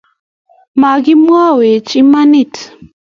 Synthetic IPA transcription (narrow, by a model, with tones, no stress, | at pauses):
ma˨ɡi˦mwa˦we˨t͡ʃi˦ma˦ni˦˨t